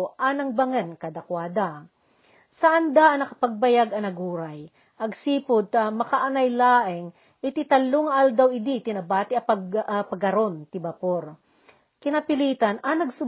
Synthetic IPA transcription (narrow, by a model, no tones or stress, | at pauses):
ʔɐnɐŋbɐŋɛnkad̪ɐkwaːd̪a | sɐʔɐnd̪aʔɐnɐkɐpɐɡ̚bɐjaɡɐnɐɡuːɾaj | ʔɐɡsiːpʊd̪̚t̪ɐmɐkaʔɐnɐjlaːʔɪŋ | ʔɪt̪ɪt̪ɐlːoŋɐʔald̪awɪd̪it̪ɪnɐbaːt̪ɪɐpɐɐpɐɡɐɾont̪ɪbɐpoɾ | kɪnapɪliːt̪ɐnɐnɐɡsʊ